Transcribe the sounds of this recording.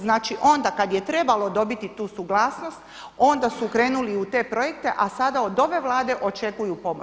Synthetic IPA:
znaːt͡ʃiʔo̞nd̪akad̪je̞t̪ɾe̞balo̞d̪o̞bit̪it̪uːsuɡlˠaːsno̞st̪ | o̞nd̪asukɾe̞ːnuliut̪e̞ːpɾo̞je̞k̚t̪eʔasad̪aod̪o̞ʋe̞ʋlˠaːd̪e̞ʔo̞t͡ʃe̞kujupo̞mo

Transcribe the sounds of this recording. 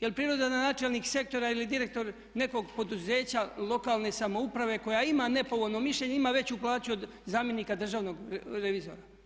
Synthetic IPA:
jelpɾiːɾo̞d̪ananaːt͡ʃelnikse̞k̚t̪o̞ɾailid̪iɾe̞k̚t̪o̞ɾ | ne̞ko̞ɡpo̞d̪uzeːt͡ɕalˠo̞kaːlˠne̞samo̞upɾaʋe̞ko̞jaimane̞po̞ʋo̞lno̞miʃʎe̞ɲeimaʋe̞t͡ɕuplˠaːt͡ɕuo̞d̪ | zaːmje̞niːkad̪r̩ʒaːʋno̞ɡɾeʋizoːɾa

